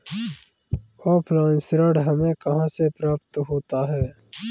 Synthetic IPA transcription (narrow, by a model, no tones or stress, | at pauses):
oːplãːnsɾəːɖɦɐmẽːkɐɦãːsepɾaːpt̪ɦoːt̪aːɦɛː